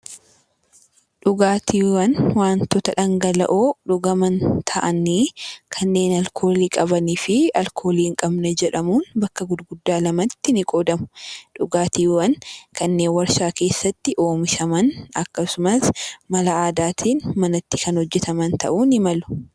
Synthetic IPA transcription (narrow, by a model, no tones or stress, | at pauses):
ᶑʊɡaːt̪ʰiːwɐnwaːnt̪ɔt̪ɐᶑɐŋɡɐlɐ̰ʔoːᶑʊɡɐmɐnt̪ʰɐʔɐniːkʰɐnːe̞ːnɐlkʰo̞ːliːkʼɐbɐniːfɪɐlkʰo̞ːliːŋkʼɐbnɛd͡ʒɛᶑɐmuːnbɐkːɐɡʊd̪ɡʊd̪ːaːlɐmɐt̪ːɪnɪkʼoːd̪ɐmʊ̥ᶑʊɡaːt̪iːwɐnkʰɐnːe̞ːnwɐɾsaːke̞ːsːɐt̪ːɪʔo̞ːmɪʃɐmɐnɐkːɐsʊmɐsmɐlɐaːd̪aːt̪ʰiːnmɐnɐt̪ːɪkɐnhɔd͡ʒːɛt̪ɐmɐnt̪ɐ̰ʔuːnɪmɐlʊ̥